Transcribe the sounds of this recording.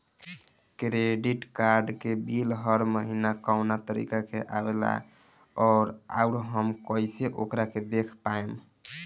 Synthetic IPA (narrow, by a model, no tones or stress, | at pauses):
kɾeɖiʈkaɾɖkebilɦəɾməɦinakaʊnat̪əɾḭkakeʔabela̰ | ɔːɾa̰uɾɦəmkəjseʔokɾaked̪ekʰpaem